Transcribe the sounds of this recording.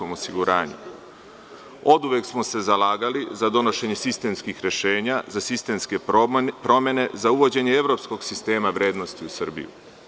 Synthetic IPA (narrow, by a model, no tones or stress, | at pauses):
omo̞siɡuɾaːɲṵ | o̞d̪uʋeksmo̞se̞zalaːɡalizad̪o̞no̞ʃe̞ɲesist̪e̞mskixɾe̞ʃe̞ːɲazasist̪e̞mske̞pɾo̞mje̞ne̞zauʋo̞d͡ʑe̞ɲe̞eʋɾo̞psko̞ɡsist̪e̞ːmaʋɾʲje̞ːd̪no̞st̪iusɨrbḭjṵ